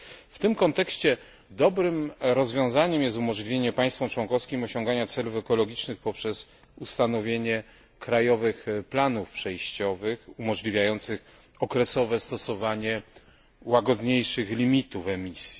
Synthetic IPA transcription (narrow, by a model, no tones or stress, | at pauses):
ft̪ɘmkɔnt̪ɛkɕt͡ɕɛ | d̪ɔbɾɘmɾɔzvʲjɔ̃w̃zaɲɛmjɛst̪umɔʐlʲivʲjeɲɛpaj̃st̪fɔmt͡ʂwɔnŋkɔfskʲimɔɕɔ̃ŋɡaɲat̪sɛlufɛkɔlɔɡʲit͡ʂnɘxpɔpʂɛz | ust̪anɔvʲjeɲɛ | kɾajɔvɘxplanufpʂɛjɕt͡ɕɔvɘxumɔʐlʲivʲjajɔnt̪sɘx | ɔkɾɛsɔvɛst̪ɔsɔvaɲɛ | waɡɔd̪ɲejʂɘxlʲimʲit̪ufɛmʲisʲji